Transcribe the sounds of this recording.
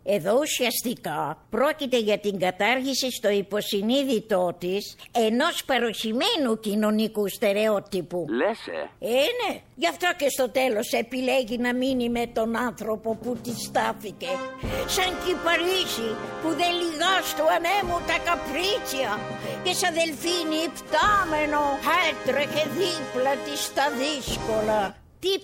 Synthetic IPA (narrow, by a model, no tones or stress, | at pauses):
e̞ðo̞usiɐst̪ikɐpɾo̞cit̪e̞ʝɐt̪iŋɡɐt̪ɐɾʝisist̪o̞ipo̞siniðit̪o̞t̪ise̞no̞spɐɾo̞çime̞nucino̞nikust̪e̞ɾe̞ot̪ipulesḛeneʝɐft̪ocest̪o̞t̪e̞lo̞sepileʝinɐminime̞t̪o̞nɐnθɾo̞po̞put̪ist̪ɐθicesɐŋcipɐɾisipuðeliɣɐst̪uɐnemut̪ɐkɐpɾit͡ʃiɐ | cesɐðelfinift̪amenohet̪ɾexeðiplɐt̪ist̪ɐðiskolɐ | t̪i